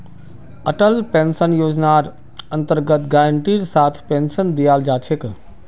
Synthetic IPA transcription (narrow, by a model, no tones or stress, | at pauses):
ɐʈəlpẽːnsənjoːd͡ʑnaːɾ | ɐ̃nt̪əɾɡət̪ɡaːəɳʈiːɾsaːt̪ʰpẽːnsənd̪ijaːld͡ʑaːt͡ʃʰɪk